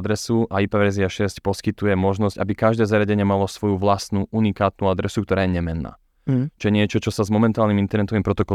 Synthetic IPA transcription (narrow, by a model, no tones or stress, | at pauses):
d̪ɾɛsuʔaipaʋɛɾziaʃɛscpɔskit̪ujɛmɔʒnɔzɟabikaʒd̪ɛːzaɾjaɟɛɲɛmalɔsʋɔjuʋlast̪nuʔunikaːt̪̚nuad̪ɾɛsukt̪ɔɾaːjɛɲɛmɛnːa̰ː | t͡ʃɔjɛɲɪɛt͡ʃɔt͡ʃɔsazmɔmɛnt̪aːlnimint̪ɛɾnɛt̪ɔʋimpɾɔt̪ɔkɔ